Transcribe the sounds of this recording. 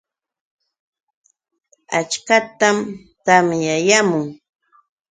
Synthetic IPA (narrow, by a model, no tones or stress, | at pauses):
a̰t͡ʃkat̪am | t̪amjajamʊŋ